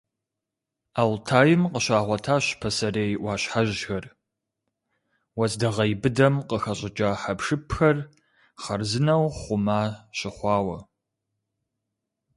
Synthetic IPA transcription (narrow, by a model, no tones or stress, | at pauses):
aːwtʰaːjɪmqəɕaːʁʷɔtʰaːɕpʰɐsɐreːjʔʷwɑːɕħaʒxɐr | wɐzdɐʁɐjbɨdɐmqəxɐɕʼɪt͡ʃʼaːħapʂɨpʰxɐr | χɐrzɨnɐwχʷʊmaːɕɪχʷɑːwɐ